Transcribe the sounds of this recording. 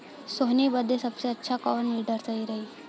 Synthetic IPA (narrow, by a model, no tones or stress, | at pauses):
soɦnibəd̪ʱːesəbseətːɕʰakaʋnːiɖəɾt͡saiɾəɦi